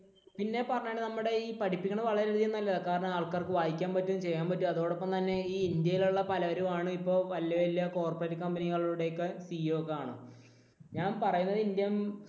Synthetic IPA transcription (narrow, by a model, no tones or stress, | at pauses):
pinːe̞pɐrɐɲːaːɳɖenɐmːuɽe̞iːpɐʈʰipːikʲːɐɳɐmʋɐɭɐɾeɾuðijenːɐlːɐðkaːɾɐɳɐmaːɭkaːrkɨʋaːjikʲːaːmpɐtːunːɨt͡ɕe̞jːaːmpɐtːumɐðoːɽo̞pːɐmt̪ɐnːe̞iːind̪jɐjiluɭːɐpɐlɐʋɐɾumaːɳɨipːo̞ːʋɐljɐʋɐlijɐko̞ːrpɐretːɨkɐmbɐniɣɐɭuuɽe̞jokːe̞siookːeaːɳɨ | ɲaːnpɐrɐjunːɐðɨind̪ijɐm